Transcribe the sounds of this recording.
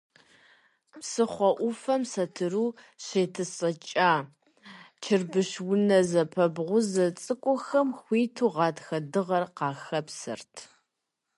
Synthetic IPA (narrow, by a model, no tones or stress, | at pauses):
psɨχʷɔʔʷʊfɐmsɐtʰɨɾuː | ɕeːtʰɨɕʼɐt͡ʃʼaː | t͡ʃʰɪrbɨɕwʊnɐzɐpʰɐbʁʷʊzɐt͡sʼɨkʷʼɔxɐmxʷiːtʰuːʁɑːtʰxɐdɨʁɐrqɑːxɐpsɨ̰rtʰ